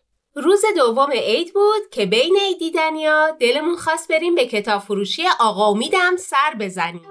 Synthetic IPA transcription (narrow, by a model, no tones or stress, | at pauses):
ɾuːze̞d̪ovːo̞me̞ʔejd̪buːd̪̥cʰe̞bejneid̪iːd̪ænijɒːd̪e̞le̞munxɒːst̪̚be̞ɾiːmbe̞cʰe̞t̪ʰɒːb̥foɾuːʃijeʔɒːɣɒomiːd̪æmsæɾbe̞zæniːm